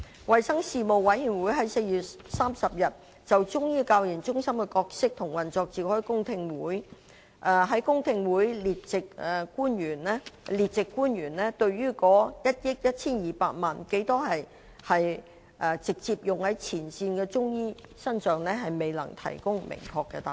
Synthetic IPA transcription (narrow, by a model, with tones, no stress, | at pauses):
wɐ˨jsɐ˥ŋsiː˨˧mo˨wːɐ˨˥jjyː˨˩nwu˨˥jɦɐ˨˥jse˧jɥyː˨t̚saː˥msɐ˨p̚jɐ˨t̚ | t͡sɐ˨wt͡ʃʊ˥ŋjiː˥kaː˧wjiː˨˩nt͡ʃʊ˥ŋsɐ˥mkɛ˧kɔː˧k̚sɪ˥k̚t̪ʰʊ˨˩ŋwɐ˨˩nt͡sɔː˧k̚t͡siː˨hɔ˥ɥkʊ˥ŋt̪ʰɪ˧ŋwuː˨˥j | ʔɛː˧ɦɐ˨˥jkʊ˥ŋt̪ʰɪ˧ŋwuː˨˥jli˨˩tt͡sɪ˨k̚ːkuː˥nɥyː˨˩nɛ˥liː˨t̚t͡sɪ˨kːuː˥njyː˨˩nlɛː˥t̪ɵ˧ɥɥyː˥kɔː˨˥jɐ˥t̚jɪ˥k̚jɐ˥t̚t͡sʰiː˥njiː˨˩paː˧t̚maː˨nke˨˥jt̪ɔː˥ɦɐ˨j | hɐ˨j | ʔɛː˨˧t͡sɪ˨k̚t͡siː˧p̚jʊ˨ŋhɐ˨˥jt͡sʰiː˨˩nsiː˧nkɛː˧t͡sʊ˥ŋjiː˥ | sɐ˥nsœː˨ŋnɛː˥ɦɐ˨jme˨jlɐ̰˨˩ŋt̪ʰɐ̰˨˩jkʊ˥ŋmɪ̰˨˩ŋkʰɔː˧kːɛ̰˧t̪aː˨˩